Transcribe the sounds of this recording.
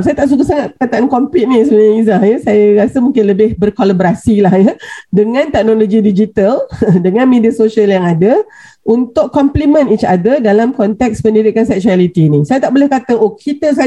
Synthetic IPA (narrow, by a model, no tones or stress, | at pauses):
sajat̪aʔsukasaŋat̪̚pəkat̪aʔankɔmpɪt̪̚nĩsəbəɲaizahjəsajaɾasəmũŋkɪnləbɪhbərkalabɾasilahjədəŋãnt̪ɛk̚noloɡidid͡ʒit̪aldəŋãnmediasoʃaljaŋada | ʔunt̪ʊʔɔmplimə̃nit͡ʃadədalamkɔnt̪ɛk̚spəndiɾikansɛk̚sualit̪inisajat̪aʔbolɛhkat̪əʔokʰit̪əs̬a